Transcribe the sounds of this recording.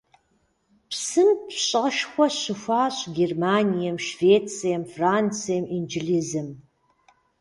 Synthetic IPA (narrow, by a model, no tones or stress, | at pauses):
psɨmpɕʼɐʃxʷɔɕɨfʷaːɕʼɡʲermaːnʲijɐmʃveːt͡sʰʼijɐmfraːnt͡sʰijɛmind͡ʒilizɨm